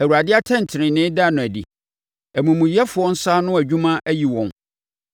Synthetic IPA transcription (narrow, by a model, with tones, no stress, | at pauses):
æ˨wu˨ɾa˨dɪ˦a˦tʰɛ̃˦n̩˨tʰɪ˨ɾɪ̃˨nɪ̃˦da˦˨nʊ̃˨æ˨dḭ˨ | æ˨mũ˨mũ˨jɛ˦fʊ˨ɔ̃˦n̩˦sa˦nʊ̃˦æ˨d͡ʑᶣũ˦mã˦ʔæ˦ji˨wɔ̃˦n